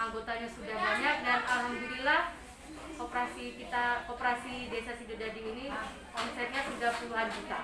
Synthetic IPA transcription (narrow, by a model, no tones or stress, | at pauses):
aŋɡot̪aɲasudahbaɲak̚danamund͡ʒuɾilah | opɾasikit̪aopɾasidesasidudadiːni | kɔnsɛt̪̚ɲasudahpuluɦankit̪a